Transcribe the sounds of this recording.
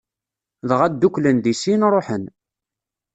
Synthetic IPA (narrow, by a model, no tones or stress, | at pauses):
ðəʁæd̪ːuklənd̪isinɾˤoħən